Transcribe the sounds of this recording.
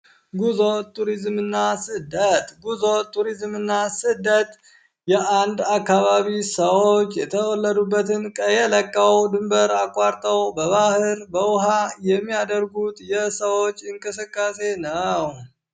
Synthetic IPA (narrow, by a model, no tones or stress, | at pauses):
ɡuzot̪ʰʼːuɾizmɨnːasɨd̪ət̪ʼɡuzot̪ʰʼːuɾizmɨnːasɨd̪ət̪ʼ | jɛʔand̪akːaβaβisəwot͡ʃːjɛt̪ʰəwɔlːəd̪ubːət̪ʰɨnkʼəjɛləkʼːəwd̪ɨmbəɾakʼːaɾt̪ʼəwbəβahɨɾbəwʊɦajɛmːijad̪əɾɡut̪ʼjɛsəwo̞t͡ʃːɨŋkʼɨsɨkʼːase̞nəw